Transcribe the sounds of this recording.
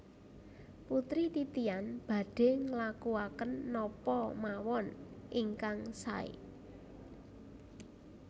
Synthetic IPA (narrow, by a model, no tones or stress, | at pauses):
put̪ɾit̪it̪ianb̥ä̤ɖ̥e̤ŋlakuakənːɔpɔmawɔnʔiŋkaŋsa̰ḭ